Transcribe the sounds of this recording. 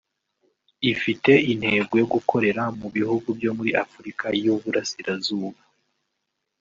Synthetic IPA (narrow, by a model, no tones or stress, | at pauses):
ifite̞in̥he̞ːbɡo̞joɡukʰo̞ɾe̞ɾamuβihuɡubjo̞muɾiʔafuɾikʰajuβuɾasiɾazuːβa